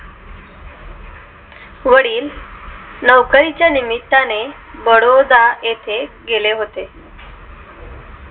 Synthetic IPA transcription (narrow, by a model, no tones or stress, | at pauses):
ʋəɽiːl | nəʋkəɾit͡ɕjanimit̪ːane | bəɽod̪aet̪ʰeɡeleɦot̪e